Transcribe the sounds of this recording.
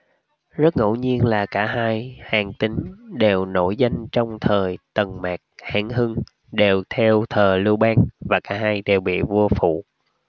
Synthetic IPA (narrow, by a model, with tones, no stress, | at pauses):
zə˦˥t̚ŋo̰˧˥ɲi˧ənlaː˨˩kaː˧˥ɦaː˧jhaː˨˩ŋt̪ï˧ŋɗe˨˩wno̰˧˥jza˧jŋ̟t͡ɕɔ˧wŋ͡mt̪ʰəː˨˩jt̪ə˨˩nmaː˨˩k̚haː˧˩ŋhɨ˧ŋ | ɗe˨˩wt̪ʰɛ˧wt̪ʰəː˨˩lɨ˧wɓaː˧ŋvaː˨˩kaː˧˥ɦaː˧jɗe˨˩wɓḭ˧˨vu˧əfṵ˧˨